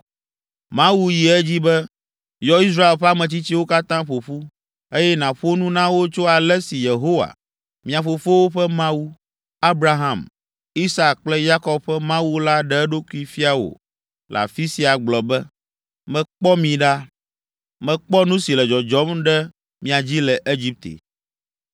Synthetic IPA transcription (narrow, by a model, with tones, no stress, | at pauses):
mã˦wu˦ji˨ɛ˦d͡ʑi˦bɛ˦ | jɔ˦i˦s̬ɾa˦e˨lɸɛ˦a˦mɛ̃˨t͡ɕi˦t͡ɕi˦wo˦ka˦t̪ã˦ɸo˨ɸu˦ | e˦jɛ˦nã˨ɸo˦nũ˦nã˦wo˦t͡ʃo˦a˨lɛ˦si˨je˨ɦo˦wa̰˨ | mĩ˨ã˨fo˨fo˦wo˦ɸɛ˦mã˦wu˦ | a˦bɾa˦ɦã˨m | i˦sa˦kk͡plɛ˦ja˦kɔ˦bɸɛ˦mã˦wu˦la˦ɖɛ˦ɛ˦ɖo˦ku˦i˦fi˦a˨wo̰˨ | lʔa̰˨fi˦si˨a˨ɡ͡blɔ˨bɛ˦ | mɛ̃˦k͡pɔ˦mĩ˨ɖa˦ | mɛ̃˦k͡pɔ˦nũ˦si˨lɛ˨d͡ʒɔ˨d͡ʒɔ˨˦mɖɛ˦ | mĩ˦a˨d͡ʑi˦lɛ˨ʔe˦d͡ʑi˦p̚t̪ḛ˨